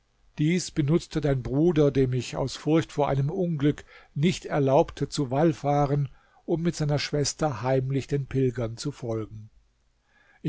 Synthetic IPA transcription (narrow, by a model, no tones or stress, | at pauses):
d̥iːsb̥ənʊt͡stʰədaɪnbʁuːdɐdeːmɪça̰ʊsfʊɐçtfoːɐʔa̰ɪnəmʔʊnɡlʏknɪçtɛɐlaʊptʰət͡suvalfaːʁən | ʔʊmːɪtz̥aɪnɐʃv̥ɛstɐhaɪmlɪçd̥eːnpʰɪlɡɐnt͡sufɔlɡŋ̩ | ʔɪ